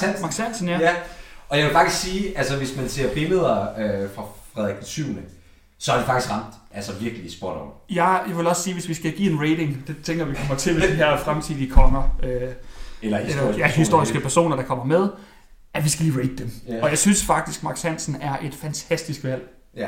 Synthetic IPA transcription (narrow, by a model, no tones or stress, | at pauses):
nmɑ̈ɡ̥sæn̰sn̩jæjɒ̽jaɪʋe̝lfɑ̈ɡ̥̚isɡ̥siːælsəʋe̝smænse̝ɐ̰feməðˠɐøfʁɑ̈fʁɛðˠɛɡ̥syʊ̰nə | sɒ̽ɐd̥efɑ̈ɡ̥isɡ̥ʁɑ̈m̰d̥ʔælsəʋiɐɡ̥lisb̥oɐ̰ɾɒmjɑ̈jɑʋe̝lɒ̽ssiːʋe̝sʋisɡ̥æɡ̥ḭːe̝nʁeɪde̝ŋd̥e̝t͡sʰeŋɡ̥ɐʋikʰɒmɐ̥t͡sʰe̝ʋesd̥eɦæɐ̰fʁamt͡sʰið̰ˠikʰɒ̽mɐøelɐelɐjæhisd̥o̝ɐ̰isɡ̥əpʰæɐso̝̰ːnɐɾ̥ɑ̈kʰɒ̽m̰ɐmeð̞ˠ | ʔæʋisɡ̥æliːʁeɪd̥əd̥emɒ̽jɑ̈ɪsynsfɑ̈ɡ̥̚d̥isɡ̥mɑ̈ɡ̥sæn̰sn̩æɐʔe̝d̥fænt͡sʰæsd̥isɡ̥ʋæl̰